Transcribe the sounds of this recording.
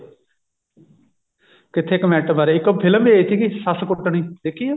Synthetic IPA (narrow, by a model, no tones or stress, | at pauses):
kɪt̪ʰeːɪkːmɛːʈəbaːɾeɪkːpʰɪləbiesiɡisaskʊɽt̪əɳiːd̪eːkʰːijeː